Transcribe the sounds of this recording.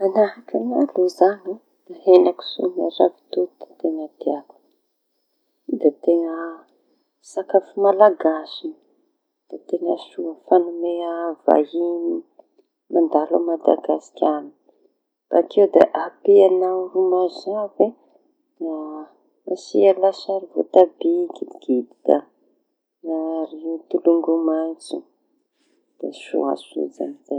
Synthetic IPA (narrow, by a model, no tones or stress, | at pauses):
anaɦakanaluzani | aɦenaku̥sona̰ra̰vi̥t̪ud̪ḁt̪eŋəd̪eak | id̪et̪eŋə | sakafimalaɡasi | d̪̥at̪eŋasuəfanumeava̰ini | mand̪alamad̪a̰ɡasi̥kʲani̥ | b̥aːkʰewd̪eʔapeanawɾumazave | a | asialasaɾivo̰t̪abiɡid̪iɡ̥id̪it̪a | aaɾit̪uluŋɡumant͡su | d̪̥esṵa̰sunḭd͡za̰miza